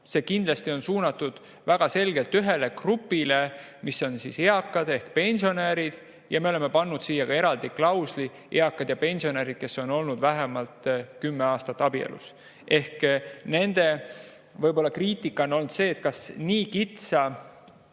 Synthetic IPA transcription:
se̞ːkind̪̥lɑst̪io̞nsuːnɑt̪ːˑud̪̥ | væɡ̥ɑse̞lɡe̞lt̪yɦe̞le̞krupːˑile | miso̞nsiːse̞ɑkːˑɑd̪̥e̞hkpe̞nʲsio̞neːɾid̪̥ | jʔɑ̰me̞o̞le̞mːe̞pɑnːud̪̥siːjɑɡ̥ɑe̞ɾɑld̪̥iklɑwsli | eɑkːˑɑd̪̥jɑpe̞nʲsio̞neːɾid̪̥̚ke̞sːo̞no̞lnud̪̥væɦemɑlt̪kymːeɑːst̪ɑt̪ːˑɑb̥iḛlʔṵs | ʔe̞hkne̞nd̪̥e̞ | vɤjbo̞lːɑkriːt̪ˑikːˑɑono̞lnd̪̥se̞ːt̪̚kɑsniːkit̪sɑ

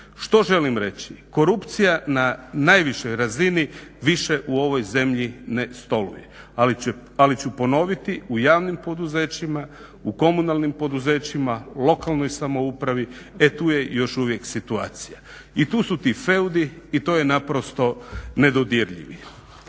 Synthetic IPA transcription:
ʃt̪o̞ʒe̞limɾe̞t͡ɕiko̞ɾupt̪sijananaːjʋiʃo̞jɾaziniʋiʃe̞ʔuo̞ʋo̞jze̞mʎinest̪o̞lṵjḛ | aalit͡ɕupo̞no̞ʋit̪iujaːʋnimpo̞d̪uze̞ːt͡ɕima | uko̞munalnimpo̞d̪uze̞ːt͡ɕimalˠo̞kalˠno̞jsamo̞upɾaʋi | et̪uːje̞jo̞ʃuʋjeksit̪ua̰ːt̪sija | it̪uːsut̪ife̞ud̪iːt̪o̞ːje̞napɾo̞st̪o̞ne̞d̪o̞d̪jeɾʎḭʋḭ

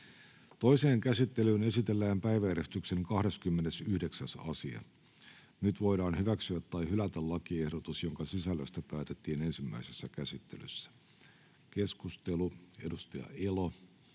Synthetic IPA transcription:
t̪o̞ise̞ːŋkæsit̪ːe̞lyːne̞sit̪e̞lːæːmpæjʋæeɾest̪ykse̞ŋkɑhde̞skymːene̞syhde̞ksæsɑ̰siɑ̰ | nyt̪ʋo̞jdɑːnhyʋæksyæt̪ːɑjhylæt̪ællɑkiehdot̪usjo̞ŋkɑsisælːøst̪æpæːt̪et̪ːiːne̞nsimːæ̰isesːækæsit̪ːe̞̰ly̰sːæ̥ | ke̞skust̪e̞lue̞dust̪ɑjɑ̰elo

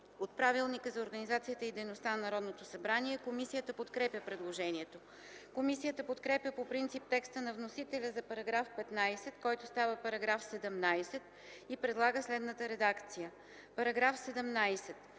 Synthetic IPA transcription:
ot̪̚pɾavilˠnikəzɐoɾɡənizat̪sijət̪əid̪ɛjnost̪annɐɾɔd̪not̪osɐbɾaniɛkomisijət̪əpot̪kɾɛpʲjəpɾɛd̪lˠoʒɛniɛt̪o | komisijət̪əpot̪kɾɛpʲjəpopɾint̪sip̚t̪ɛkst̪ənɐvnosit̪ɛlʲəzɐpɐɾɐɡɾafpɛt̪najsɛt̪kɔjt̪ost̪avəpɐɾɐɡɾafsɛd̪ɛmnajsɛt̪ | ipɾɛd̪lˠaɡəslɛd̪nət̪əɾɛd̪akt̪sijə | pɐɾɐɡɾafsɛd̪ɛmnajsɛt̪

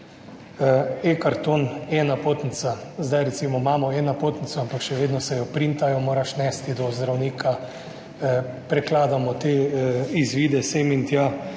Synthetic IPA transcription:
ekaɾt̪oːnɛːnapoːt̪nit̪sazd̪ajɾɛt̪siːmɔmaːmɔɛːnapoːt̪nit̪sɔampakʃɛʋeːd̪nɔsɛjɔpɾint̪ajɔmoːɾaʃnɛst̪id̪ɔzd̪ɾawniːkʰa | pɾɛklaːd̪amɔt̪eːizʋiːd̪ɛsemint̪ja

